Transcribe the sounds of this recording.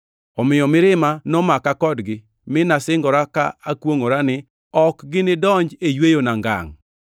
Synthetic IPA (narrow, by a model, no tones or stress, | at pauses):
ɔmɪjɔmɪɾɪmanɔmakakɔdɡɪ | mɪnasɪŋɡɔɾaka̰akwoŋoɾanɪ | ɔkɡɪnɪdɔɲd͡ʒejwejonaŋɡa̰ŋ